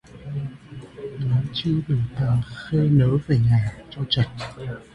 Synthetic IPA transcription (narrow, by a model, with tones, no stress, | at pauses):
nɔ˨˦t͡ɕɨ˧əɗɨ˨˩ək̚t̪aː˨˩xe˧nəː˨˦ve˨˩ɲaː˨˩t͡ɕɔ˧t͡ɕə˨˩t̚